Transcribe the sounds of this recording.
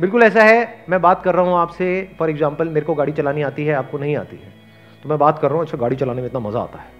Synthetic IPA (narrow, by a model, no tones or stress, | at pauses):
bɪlkʊlɛːs̬aɦɛmɛ̃ːbaːt̪kɐɾːɐɦũaːpsefɔːɾɛɡzãːmpəlmeːɾkoɡaːɽit͡ʃɐlaːniaːt̪iɦɛaːp̚konɐɦĩa̰ːt̪ḭɦɛ̰ː | t̪omɛ̃baːt̪kɐɾːəɐɦũɐtːʃʰaɡaːɽit͡ʃɐlaːnemẽɪt̪namɐzaa̰ːt̪aɦɛː